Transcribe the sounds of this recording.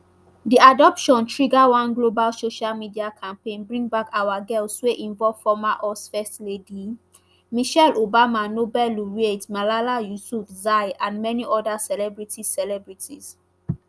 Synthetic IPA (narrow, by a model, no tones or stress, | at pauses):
diadɔpʃɔ̃ntʰɹiɡawãnɡlobalsoʃalmidiakʰãmpẽnbɹĩŋbakʰawaɡɛltsweʔĩɱvɔvfɔmaʔɔsfɛstledi | miʃɛlobamanobɛluɹietmalalajusufzajãnmɛniʔɔdasɛlɛbɹitʰisɛlɛbɹitʰḭz̥